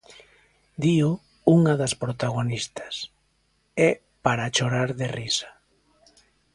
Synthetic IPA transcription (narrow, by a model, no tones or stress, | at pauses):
d̪io | uŋɐðɐspɾot̪aɣonist̪ḁs | ɛ | paɾat͡ʃoɾaɾðerisḁ